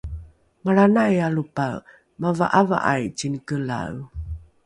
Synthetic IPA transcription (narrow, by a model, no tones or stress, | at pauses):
maɾanajalupa | mava̰ʔava̰ʔajt͡ɕinkəla̰w